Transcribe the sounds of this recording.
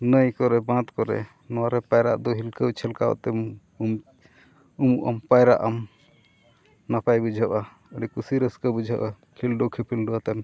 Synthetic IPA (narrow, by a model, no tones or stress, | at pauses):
nəjkɔɾɛbãt̪kɔɾɛ̰ | nɔwaɾɛpajɾa̰ʔd̪ɔɦilkəwt͡ʃʰɛlkawa̰ʔt̪ɛm | m | umuʔa̰mpajɾa̰ʔam | napajbud͡ʒʱaʔa | əɖikusiɾəskəbud͡ʒʱaʔa | kʰilɖɔwkʰipʰilɖuwat̪an